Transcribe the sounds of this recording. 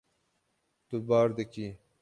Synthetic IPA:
t̪ubɑːɾd̪eki

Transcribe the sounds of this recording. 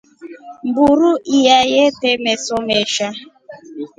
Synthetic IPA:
m̩buɾuijajetemesomeʃa

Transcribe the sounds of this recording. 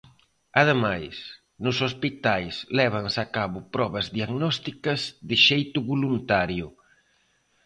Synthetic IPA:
aðemajs | nʊsospit̪ajslɛβ̞ɐŋsakaβʊpɾɔβɐzðiaɣnɔst̪ikɐzðɪʃejt̪ʊβulunt̪aɾjʊ

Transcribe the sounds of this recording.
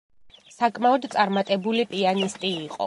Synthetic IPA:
sakʼmaɔd̪t̪sʼaɾmat̪ʼɛbulipʼianist̪ʼiːqʼɔ̰

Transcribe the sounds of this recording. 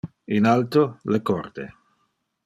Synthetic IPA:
inalt̪olekɔrt̪e

